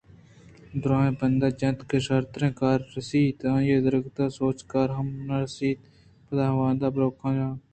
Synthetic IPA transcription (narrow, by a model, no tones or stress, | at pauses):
d̪ɾãːẽːbənd̪aːd͡ʒɐ̃t̪kəʃəɾt̪ɾẽːkaːɾːəsiːt̪ãːjeːd̪əɾəɡt̪aːsoːt͡ʃkaːɾɦəmnaɾsiːt̪ | pəd̪aːʋãːnd̪aːbɾoːkʰãːd͡ʒãː